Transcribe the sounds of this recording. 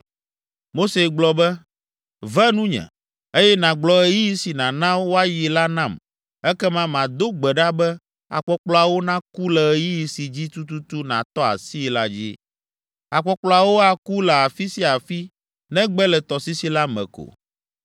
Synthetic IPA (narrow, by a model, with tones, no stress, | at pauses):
mo˦se˨ɡ͡blɔ˨bɛ˦ | vɛ˦nũ˦ɲɛ̰̃˨ | e˦jɛ˦nã˨ɡ͡blɔ˨ɛ˨ji˦ji˦si˨nã˨nã˦wo˦a˦ji˨la˦nã˦˨m | ɛ˦kɛ˦mã˦mã˨d̪o˦ɡ͡bɛ˨ɖa˦bɛ˦ | a̰˨k͡pɔ˨k͡plɔ˨a˨wo˦nã˦ku˦lɛ˨ɛ˨ji˦ji˨si˨d͡ʑi˦t̪u˦t̪u˦t̪u˦nã˨t̪ɔ˦a̰˨si˦la˦d͡ʑḭ˦ | a˨k͡pɔ˦k͡plɔ˨a˨wo˦a˨ku˦lɛ˨a˨fi˦si˦a˨fi˦ | nɛ̃˦ɡ͡bɛ˦lɛ˨t̪ɔ˨si˦si˦la˦mɛ̰̃˨ko̰˨